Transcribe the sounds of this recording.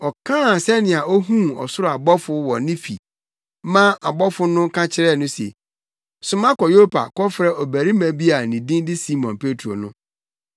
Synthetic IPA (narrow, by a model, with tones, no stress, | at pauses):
ɔ˨kʰãː˦˨sɛ˦nɪ̃˨a˨ɔ˦ɦũ˦ɔ˨sʊ˦ɾa˨bɔ˦fʊ˦wɔ˨nɪ̃˦fḭ˨˦ | mã˦a˨bɔ˦fʊ˦nʊ̃˦kʰã˦t͡ɕʰɪ˦ɾɛ˦˨nʊ̃˦sḛ˨ | sʊ˨mã˦kɔ˨jo˦pʰa̰˨kɔ˦fɾɛ˦ʔɔ˨bæ˨ɾi˦mæ̃˨bi˦a˨nĩ˨dĩ˦ndɪ˦si˦mɔ̃˨npʰe˦tʰo̰˨nʊ̰̃˦